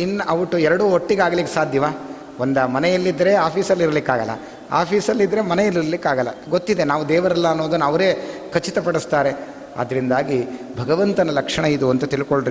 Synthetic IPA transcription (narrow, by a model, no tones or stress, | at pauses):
inːɐʔɐʋuʈːuɛɾɐɽuːɦoʈːiɡaːɡɐlikːesaːd̪ʱjɐʋaː | ond̪ɐmɐnɛjɐlːid̪ɾe̞aːpʰiːsɐlːiɾɐlikːaːɡɐlːɐ̰ | a̰ːpʰiːsɐlːid̪ːɐɾe̞mɐnɛjɐlːiɾɐlikːaːɡɐlːɐ̰ɡo̞t̪ːid̪e̞naːʋud̪ɛːʋɐɾɐlːɐːnːo̞ːd̪unːɐʋɐɾe̞ːkʰɐt͡ʃːit̪ɐpɐɽist̪aːɾe̞ | ɐ̰d̪ɐɾind̪aːɡibʱɐɡɐʋɐnt̪ɐnɐlɐkʂɐɳɐid̪uɐnt̪ɐt̪ilikoɭɖɾi